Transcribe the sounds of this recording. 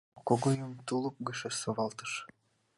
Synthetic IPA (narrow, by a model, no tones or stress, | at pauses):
koɡojumt̪ulˠup̚ɡɵʃesoβɑlˠt̪ɯʃ